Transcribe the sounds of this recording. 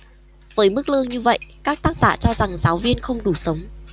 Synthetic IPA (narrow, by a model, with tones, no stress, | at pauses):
vəː˨˦jmɨ˦˥k̚lɨ˧əŋɲɨ˧və̰˧˨jkaː˦˥k̚t̪aː˦˥k̚z̥a̰ː˧˨t͡ɕɔ˧za˨˩ŋzaː˨˦wvi˧ənxə˧wŋ͡mɗu˧˩sə˨˦wŋ͡m